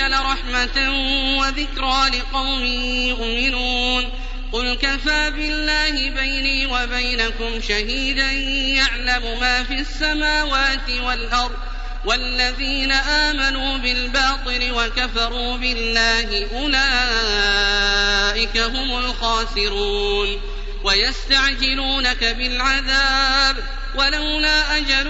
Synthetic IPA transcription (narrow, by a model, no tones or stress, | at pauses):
alaɾˤɑħmat̪awaðɪkɾaːlɪqɑwmɪːjʊʔmɪnuːn | qʊlkafaːbɪlːaːhɪbajniːwabajnakʊmʃaɦiːd̪anjaʕlamʊmaːfiasːamaːwaːt̪ɪwalʔɑɾˤd̪ˤ | walːaðiːnaʔaːmanuːbɪlbɑːt̪ˤɨlɪwakafɑɾˤuːbɪlːaːhɪʔʊlaː | ʔɪkaɦʊmʊlxɑːsɪɾuːn | wajast̪aʕd͡ʒɪluːnakabɪlʕaðaːb | walawlaːʔad͡ʒal